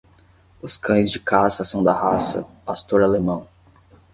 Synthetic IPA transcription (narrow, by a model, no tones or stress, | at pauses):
ʊskʰɐ̃j̃zd͡ʒɪkʰasɐsɐ̃w̃d̪ɐhasɐ̰past̪oɾalemɐ̃w̃